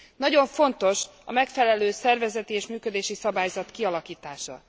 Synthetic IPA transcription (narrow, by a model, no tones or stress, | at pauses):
nɒɟo̞ɱfo̞nt̪o̞ʃ | ɒ̰mɛkfɛlɛløːsɛrvɛzɛt̪ieːʃmyːkød̪eːʃisɒbaːjzɒt̪kiɒlɒkiːt̪aːʃɒ̰